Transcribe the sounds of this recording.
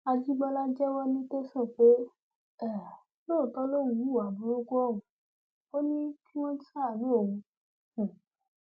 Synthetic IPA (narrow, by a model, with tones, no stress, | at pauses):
a˧d͡ʒi˦ɡ͡ba˦la˦d͡ʒɛ˦wɔ˦nĩ˦te˦sɔ˦˨k͡pe˨˦ | ɛ˦ | lo˦˨tɔ˦lo˦˨ũ˧ju˦˨a˨bu˨˦ɾo˦ɡu˦ɔ˦˨ũ˨ | o˦nĩ˦ki˦w̃ɔ̃˦sa˦˨lo˨˦o˦˨wũ˧˨